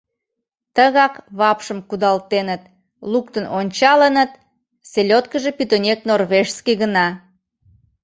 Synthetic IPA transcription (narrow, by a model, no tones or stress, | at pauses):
t̪əɣɑkβɑpʃəmkud̪ɑlt̪enət̪̚ | lukt̪ənonʲt͡ɕɑlənət̪ | selʲot̪̚kəʒepyt̪onʲeknorβeʃskiɣənɑ